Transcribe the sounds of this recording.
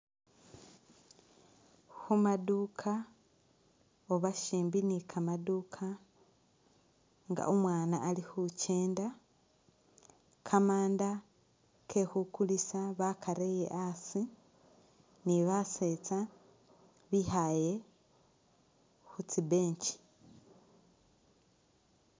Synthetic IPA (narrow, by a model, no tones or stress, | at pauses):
xumadukʰa | oβaʃiːmbinikʰamaduːkʰa | ŋɡa̰ʔomwaːnaʔːlixuceːnda | kʰamaːnda | kʰehukulisaβakʰaɾejḛʔasi | niβase̞t͡sa | βihaje̞ | xut͡sibe̞ːɲt͡ʃi̥